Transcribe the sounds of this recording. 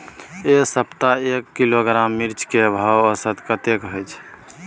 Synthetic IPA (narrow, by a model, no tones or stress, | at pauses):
esəpt̪aekːiloɡɾamːiɾt͡ʃkebʱawəsət̪kət̪ekɦojt͡ʃʰ